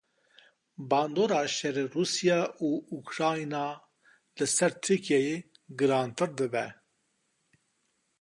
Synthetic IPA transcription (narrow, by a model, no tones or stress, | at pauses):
bɑːnd̪oːɾɑːʃɛɾeruːsijɑːʔuːukɾɑːinɑː | lɨsɛɾt̪ʰɨkʰijɛje | ɡɨɾɑːnt̪ɨɾd̪ɨbɛ̰